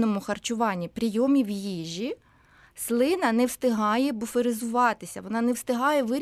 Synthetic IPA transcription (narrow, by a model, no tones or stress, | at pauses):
nɔmʊxɐrt͡ʃʊʋɑnʲːipɾʲijɔmʲiwjiʒʲi | slˠɪnɐnɛwst̪ɪɦɑjɛbʊfeɾɪzʊʋɑt̪ɪsʲɐʋɔnɑnɛwst̪ɪɦɑjɛʋɪɾʲ